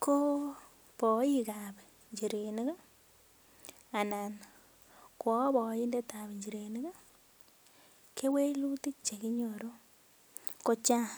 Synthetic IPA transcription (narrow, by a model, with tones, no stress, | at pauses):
ko˦ | pɔ˨˦i˦ka˨p | ɲd͡ʒi˨ɾe˨ni˦ɡa˦ | a˨na˨n | kwɔ˨˦bɔ˨˦i˦nde˦ta˨bɲd͡ʒi˨ɾe˨ni˦ɡa˦ | ke˦we˦lu˦ti˦t͡ʃe˨ki˦ɲo˨ɾo˦ | ko˦t͡ʃa˦